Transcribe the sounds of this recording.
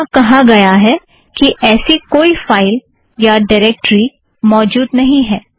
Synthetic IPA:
kɐɦaɡɐjaɦɛ | kiʔɛːsikoːifaːɪl | jaɖaɪɾɛːk̚ʈɾi | mɔːd͡ʒuːd̪nɐɦĩɦɛː

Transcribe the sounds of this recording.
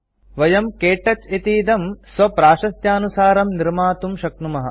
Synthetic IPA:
ʋɐjɐmkeːʈɐt͡ʃit̪iːd̪ɐmsʋɐpɾaːʃɐst̪jaːnusaːɾɐmniɾmaːt̪umʃɐknumɐɦɐ̰̆

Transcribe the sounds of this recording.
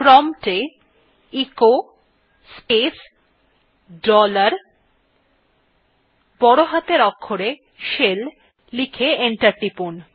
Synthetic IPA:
pɾɔmʈe | iko | spes | ɖɔlaɾ | bɔɽoɦat̪eɾɔkʰːoɾe | ʃel | likʰeeɳʈaɾʈipun

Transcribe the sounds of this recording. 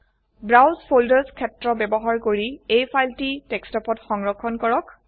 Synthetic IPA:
bɹawzpʰoldəɹzkʰɛtɹɔbɛbɔɦaɹkoɹiejpʰajltitɛkstɔpɔtxɔŋɹɔkʰːɔnkɔɹɔk

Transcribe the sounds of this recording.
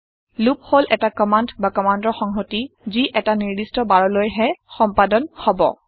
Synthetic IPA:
lup̚holʔɛtakɔmandbakɔmandɔxɔŋɦotiziʔɛtaniɹdistɔbaɹɔlojɦɛxɔmpadɔnhɔbɔ̰

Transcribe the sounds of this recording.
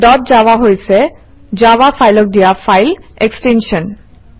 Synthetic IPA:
ɖɔt̚d͡ʑaaɦojt͡ɕʰe | d͡ʑawafajlok̚ɖijafajleksʈenʃon

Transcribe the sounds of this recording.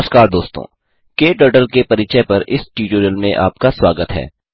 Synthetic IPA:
skaːɾd̪oːst̪õ̰ː | keːʈəɾʈəlkepɐɾɪt͡ʃepɐɾʔɪsʈiːʈoɾəlmẽʔa̰ːpkaswaːɡət̪ɦɛ̰ː

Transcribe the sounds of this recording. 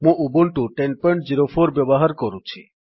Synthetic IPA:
mũubuɳʈuʈen̚pɔɳʈ̚d͡ʑiɾofʰoɾbɛbɔɦaɾkɔɾũt͡ʃʰḭ

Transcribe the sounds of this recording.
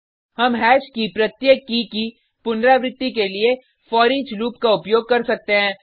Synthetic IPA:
hɐmɦɛːʃkipɾɐt̪jeːkːiki | pʊnɾaːʋɾɪt̪ːikelie | fɔːɾiːd͡ʒɾuːpkaʊpjoːɡ̚kɐɾsɐk̚t̪eɦɛ̃ː

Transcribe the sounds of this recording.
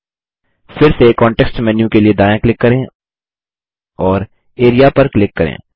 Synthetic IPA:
fɪɾsekɔ̃ːɳʈɛːksʈmɛːnjũkelied̪aːjãklɪkːɐɾẽ | ɔːɾ | eːɾijapɐɾklɪkːɐɾḛ̃ː

